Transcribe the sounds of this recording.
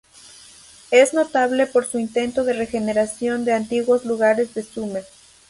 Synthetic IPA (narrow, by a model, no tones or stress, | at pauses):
e̞zno̞t̪aβle̞po̞ɾsuint̪e̞nt̪oðe̞re̞xeneɾasjo̞nd̪e̞ant̪iɣwo̞zluɣaɾe̞zðe̞sume